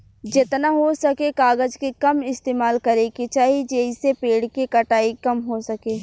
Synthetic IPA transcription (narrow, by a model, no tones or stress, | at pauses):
d͡ʒɪt̪naɦosɐkekaːɡəd͡ʒkekɐmɪst̪eːmaːlkɐɾẽket͡ʃaːɦid͡ʒeːisepeːɽkekɐʈaːikɐmɦosɐkeː